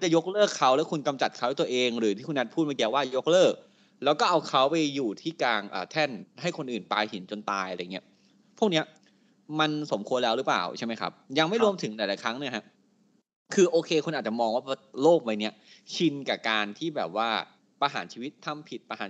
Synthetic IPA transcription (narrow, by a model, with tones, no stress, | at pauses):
t͡ɕa˨˩jo˦˥k̚lɤː˥˩kʰːa˦˥wlɛː˦˥wkʰu˧nka˧mt͡ɕa˨˩t̪̚kʰa˦w̪a˥˩t̪əʔeː˧ŋɾɯː˩˦t̪ʰiː˥˩u˧na˦˥t̪pʰu˥˩ma˧ki˧˥˧waː˥˩jo˦˥k̚lɤː˥˩k̚ | lɛː˦˥wkɔː˥˩ʔa˧wkʰa˦˥wpa˧jːuː˨˩t̪ʰiː˥˩kaː˧ŋʔa̰ː˨˩t̪ʰɛ˥˩nha˥˩jkʰo˧nʔɯː˨˩npaː˧jhi˩˦nt͡ɕo˧nt̪aː˧jʔa˧a˧ja˨˩ŋː˩i˦˥ɐ | pʰu˥˩k̚ni˦˥ɐ | ma˧nso˩˦mkʰu˧ənlɛː˦˥wɾɯː˦˥pa̰ː˨˩wt͡ɕʰa˥˩jma˦˥jkʰa̰˦˥p̚ja˧ŋma˥˩jɾu˧əmt̪ʰɯ˩˦ŋlaː˨˩˦jlaː˨˦jkʰɾa˦˥ŋni˧˥ɐɦa˦˥ʔ | kʰɯː˧ʔoː˧kʰeː˧kʰu˧nʔaː˨˩t͡ɕa˨˩mɔː˧ŋwaː˥˩˧loː˥˩k̚ma˧jni˦˥ɐ | t͡ɕʰi˧nka˨˩kaː˧nt̪ʰiː˥˩bɛː˨˩p̚waː˥˩ | pa˧ɦa̰ː˩˦nt͡ɕʰiː˧wi˦˥t̪ʰːa˧˥˩mpʰi˨˩t̪̚pa˧ha̰ː˩˦